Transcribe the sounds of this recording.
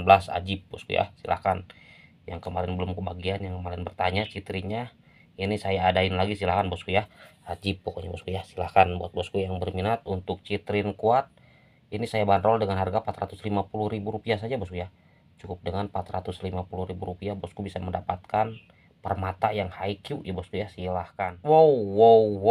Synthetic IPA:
bəlasa̰d͡ʒɪp̚bɔskṵja̰silʔa̰hkan | jaŋkəmaɾɪnbəlʊmkəbaɡianjaŋkəmaɾɪnbərt̪aɲat͡ʃit̪ɾiɲa | inisajaːdaɪnlaɡisilahkanbɔskujaad͡ʒɪp̚ːokoɲabɔskujasilahkanbuat̪̚bɔskujaŋbərminat̪unt̪ʊk̚t͡ʃit̪ɾɪnkuat̪̚ | inisajabanɾɔldəŋanharɡapat̪rat̪ʊslimapulʊhɾibuɾupias̬ad͡ʒabɔskujah | t͡ʃukʊp̚dəŋanpat̪rat̪ʊslimapuluhɾibuɾupiabɔskubisaməndapat̪̚kan | pərmat̪ajaŋhaikiujabɔskujahsilahkanwoːow

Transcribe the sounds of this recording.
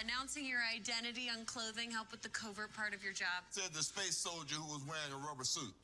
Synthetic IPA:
ɨnãʊ̃nsɪ̃ŋjə˞aɪdɛ̃ɾ̃ɨɾiə̃nkʰl̥oʊðɪ̃ŋɦɛlˠpɨðɨkʰoʊvə˞d̚pʰɑɹɾʌvjə˞d͡ʒɑb̥sɛd̪̚ðɨspeɪsoʊlˠd͡ʒə˞huwʌzwɛɹɪ̃ŋəɹʌbə˞sʉt̚

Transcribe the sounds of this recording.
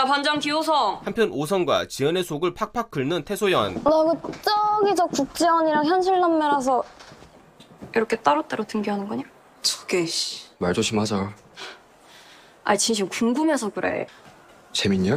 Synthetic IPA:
apand͡ʑaŋkiosʰʌhampʰjʌnos̬ʰʌnɡwa̰t͡ɕiʌne̞sʰoɡɯɭpʰak̚pʰak͈ʰɯɭnɯntʰe̞sʰojʌnnaɡɯt͡ɕ͈ʌɡit͡ɕʌkuk̚t͡ɕ͈ewʌɲiɾaŋçjʌnɕʰiɭnʌmːʌɾɦas̬ʰʌ | iɾʌkʰet͈aɾot͈aɾotɯŋɡiɦanɯnɡɲa | t͡ɕo̥ɡeɕimaɭd͡ʑoɕʰimnhad͡ʑa | a̰it͡ɕinɕ̬ʰimkuŋɡumɦe̞sʰʌkɯɾḛ | t͡ɕemiɲa

